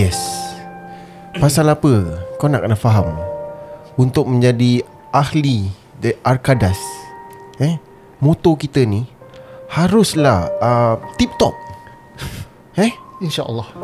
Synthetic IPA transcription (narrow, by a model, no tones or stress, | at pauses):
jɛs | pasalapəkawna̰ʔkənafaɦam | unt̪ʊk̚mə̃ɲd͡ʒadi | ʔahli | dəʔarkadas | ɛ | mõt̪okit̪ənihaɾʊslahət̪ip̚t̪ɔ̰p̚ | ɛinʃaʔə̰lːɔh